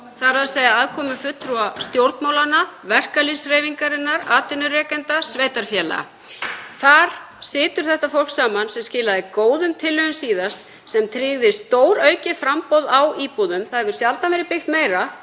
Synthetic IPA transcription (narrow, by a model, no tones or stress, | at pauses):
θaɾaðsejðaaðkʰɔːmʏfʏt̪ːɾuast̪jowɾt̪nmaːwlanːavɛr̥kalisreːjviŋkaɾɪnːaɾaːt̪ʏnʏrɛːkɛnt̪asveːjt̪aɾ̥fjɛla̰ɣa̰ | θaɾ̥ | sɪːt̪ʏɾ̥θɛht̪afol̥ksaːmansɛmscɪːlaðɪkoːwðʏmt̪ʰɪlːœɣʏmsiːðast̪ | sɛmt̪ʰɾɪɣðɪst̪oːwɾœɥcɪfɾampɔwðawiːpuðʏmθaðvʏɾ̥sjalt̪avɛːɾɪpɪxt̪meːjɾa